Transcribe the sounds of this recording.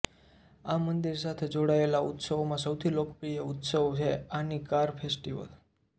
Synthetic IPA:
amənd̪iɾsat̪ʰed͡ʒoɽaelaʊt̪səʋomãsəwt̪ʰilokpɾijəʊt̪səʋot͡ʃʰeanikaɾpʰesʈiʋə̰l

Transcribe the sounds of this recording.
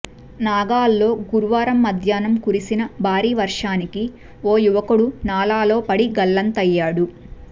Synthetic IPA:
naːɡaːlːo̞ːɡuɾuʋaːɾɐmːɐd̪ʱjaːnɐmkuɾisinɐbʱaːɾiːʋɐɾʂaːniki | oːjuʋɐkuɽunaːlaːlo̞ːpɐɽiɡɐlːɐnt̪ɐjːaːɽu

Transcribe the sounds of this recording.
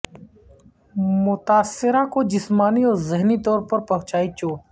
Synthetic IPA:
mʊt̪aːsːɪɾakod͡ʒɪsmaːniɔːɾzɪɦnit̪ɔːɾpɐɾpɐ̃ɦʊ̃t͡ʃaːit͡ʃoː

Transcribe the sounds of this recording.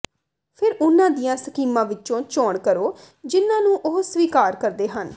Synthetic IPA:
pʰɪɾʊnãːd̪ijãːsəkiːmãːʋɪt͡ʃʃõːt͡ʃɔːɳkəɾoː | d͡ʒɪnːãːnũːʔoɦsʋiːkaːɾkəɾd̪eːɦən

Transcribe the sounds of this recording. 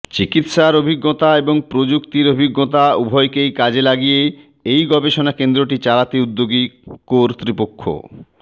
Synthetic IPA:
t͡ɕikit̪ʃaɾobʱiɡːot̪aeboŋpɾod͡ʑukt̪iɾobʱiɡːot̪aubʱɔjkejkad͡ʑelaɡije | ejɡɔbeʃonakend̪ɾoʈit͡ɕalat̪eud̪ːoɡikoɾt̪ɾipokʰːo̰

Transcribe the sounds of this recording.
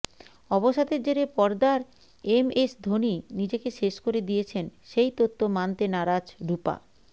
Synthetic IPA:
ɔboʃad̪eɾd͡ʑeɾepɔɾd̪aɾ | emesd̪ʱoninid͡ʑekeʃeʃkoɾed̪ijet͡ɕʰenʃejt̪ot̪ːomant̪enaɾad͡ʑɖupa̰

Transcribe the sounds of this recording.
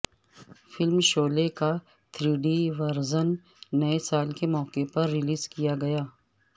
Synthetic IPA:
fɪlmʃoːleka | t̪ʰɾiːɖiʋɐɾzən | nɐesaːlkemɔːkepɐɾːɪliːzkijaɡɐjaː

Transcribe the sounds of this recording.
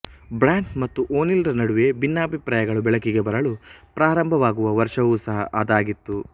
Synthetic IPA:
bɾaːɳʈmɐt̪ːuʔoːnilɾɐnɐɽuʋe̞binːɐːbʱipɾaːjɐɡɐɭubɛɭɐkiɡe̞bɐɾɐɭupɾaːɾɐmbʱɐʋaːɡuʋɐʋɐɾʂɐʋusɐɦɐ̰ʔːd̪aːɡit̪ːu

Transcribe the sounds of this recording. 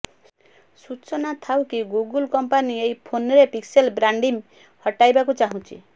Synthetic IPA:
sut͡ʃɔnat̪ʰawkiɡuɡulkɔmpaniejpʰonɔɾepikselbɾaɳɖim | hɔʈajbakut͡ʃaɦũt͡ʃʰḭ

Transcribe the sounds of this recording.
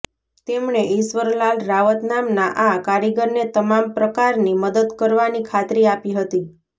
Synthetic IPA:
t̪emɳeiʃʋəɾlalɾaʋət̪namnaʔakaɾiɡəɾnet̪əmampɾəkaɾniməd̪əd̪kəɾʋanikʰat̪ɾiapiɦət̪i

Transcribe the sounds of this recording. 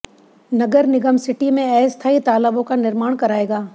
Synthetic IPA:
nɐɡəɾnɪɡəmsɪʈimẽɛːst̪ʰaːit̪aːləbõkanɪɾmaːɳkɐɾaːeːɡaː

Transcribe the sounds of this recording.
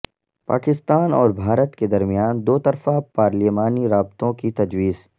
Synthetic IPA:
pa̰ːkɪst̪aːnɔ̰ːɾbʱaːɾət̪ked̪ɐɾmijaːnd̪oːt̪ɐɾfapaːɾlimaːniɾaːb̚t̪õkit̪ɐd͡ʒwiːz

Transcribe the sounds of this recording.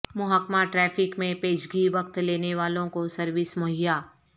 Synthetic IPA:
mʊɦaːkmaʈɾɛːfʰɪkmẽpeːd͡ʒɡiʋɐkt̪leːneʋaːlõkosɐɾʋɪsmɐɦɪjaː

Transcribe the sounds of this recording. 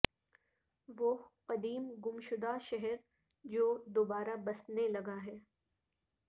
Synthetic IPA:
ʋoqɐd̪iːmɡʊmʃʊd̪aʃɛɦɛɾ | d͡ʒoːd̪oːbaːɾabɐsnelɐɡaɦɛː

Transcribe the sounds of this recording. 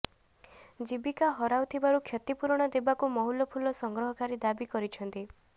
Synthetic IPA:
d͡ʒibikaɦɔɾawt̪ʰibaɾukʰjɔt̪ipuɾɽ̃ɔd̪ebakumɔɦulɔpʰulɔsɔŋɡɾɔɦɔkaɾid̪abikɔɾit͡ʃʰɔnt̪i

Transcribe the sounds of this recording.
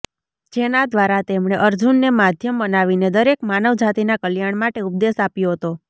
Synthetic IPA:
d͡ʒenad̪ʋaɾat̪emɳ̃eʔəɾd͡ʒunːemad̪ʱjəmbənaʋined̪əɾekmanəʋd͡ʒat̪inakəljaɳmaʈeup̚d̪esapjoɦət̪o

